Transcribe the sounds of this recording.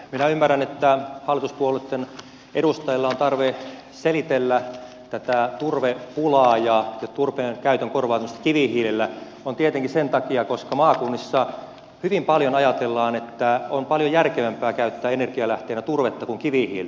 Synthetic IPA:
minæymːærænet̪ːæhɑlːˑit̪uspuolet̪ːen | ʔeɾust̪ɑjilːɑont̪ɑrʋe | selit̪elːæ | t̪æt̪æt̪urʋepulɑːjɑjɑt̪urpeːnkæyt̪øŋkorʋɑːt̪æmːst̪ːkiʋihiːlilːæ | ont̪iet̪eŋkisent̪ɑkiɑkoskɑmɑːkunːisːɑ | hyʋimpɑljonɑjɑt̪elːɑːnet̪ːæonpɑljojærkeʋæmpæːkæyt̪ːæːenerɡ̥iɑlæht̪eːnæt̪urʋet̪ːɑkuŋkiʋihḭːl

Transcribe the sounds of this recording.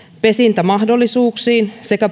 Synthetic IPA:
pe̞sint̪æmɑhdo̞lːisuːksiːnse̞kæ

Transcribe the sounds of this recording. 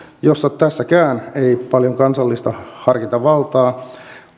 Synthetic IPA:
josːɑtt̪æsːækæːneipɑljoŋkɑnsɑlːist̪ɑhɑrkit̪ɑʋʋɑlt̪ɑː

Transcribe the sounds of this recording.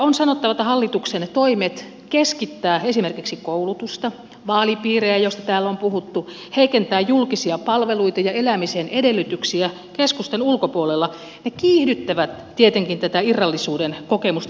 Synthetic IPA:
onsɑnot̪ːɑʋɑt̪ɑhɑlːit̪uksent̪oimet̪ | keskit̪ːæːesimerkiksikoulut̪ust̪ɑ | ʋɑːlipiːreæjost̪ɑt̪æːlompuhut̪ːu | heikent̪æːjjulkisiɑpɑlʋeluit̪ɑjɑelæmisenedelːyt̪yksiæ | keskust̪enulkopuolelːɑ | nekiːhdyt̪ːæʋæt̪ | tiet̪eŋkint̪æt̪æirːɑlːisuːdenkokemust̪

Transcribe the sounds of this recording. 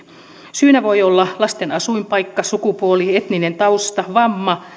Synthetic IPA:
syːnæʋo̞jolːɑlɑst̪enɑsuimpɑjkːɑsukupuoliet̪nine̞nt̪ɑust̪ɑʋɑmːɑ

